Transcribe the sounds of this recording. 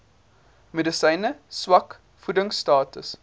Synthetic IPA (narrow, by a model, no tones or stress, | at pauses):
medəsɐjnəswɐk | fudəŋstɑːtəs